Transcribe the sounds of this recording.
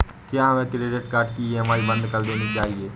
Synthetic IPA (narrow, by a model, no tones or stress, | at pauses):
kjaːɦɐmẽkɾeːɖeʈkaːɾɖ̚kieɦɐmaːɾibɐ̃nd̪kɐɾd̪eːnit͡ʃaːɦieː